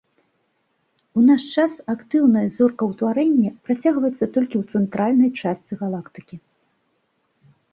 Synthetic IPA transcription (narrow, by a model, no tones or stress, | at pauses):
unaʂt͡ʂasakt̪ɨwnɐjɐzɔrkɐwt̪vaɾɛnʲːɛpɾat͡sʲaɣvɐjɛt̪sːɐt̪ɔlʲkʲiwt̪sɛnt̪ɾʔalʲnɐjt͡ʂast̪t͡s̪ʲɨɣalˠakt̪ɨ̥kʲi